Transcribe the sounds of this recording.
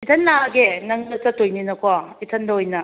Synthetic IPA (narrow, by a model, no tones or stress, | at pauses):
itʰɐnːaɡenɐŋnɐt͡ʃɐtːojninɐkʰwaitʰɐndɐojnɐ